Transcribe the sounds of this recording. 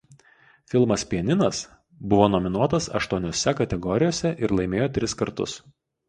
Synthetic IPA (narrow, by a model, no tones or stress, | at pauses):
fʲɪlˠmɐspʲiɛnʲɪnɐs | bʊʋoːnɔmʲɪnuɔt̪ɐsɐ̰ʃt̪uɔnʲoːsʲɛkɐt̪ʲɛɡɔɾʲɪjoːsʲɛʔɪɾlˠɐɪmʲeːjoːt̪ʲɾʲɪskɐɾt̪ʊ̰s